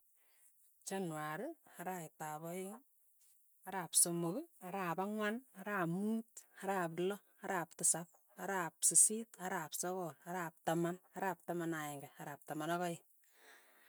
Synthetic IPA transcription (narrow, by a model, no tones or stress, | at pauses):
t͡ʃanwaɾɯaɾaitaβɔjiŋ | aɾaːpsomokaɾaːpaŋwanaɾaːmuːtaɾaːplɔ | aɾaːp̚tɪsap̚ | aɾaːpsisitaɾaːpsɔkɔlaɾaːp̚tamanaɾaːp̚tamanaɛŋɡaaɾaːp̚tamanɔkɔi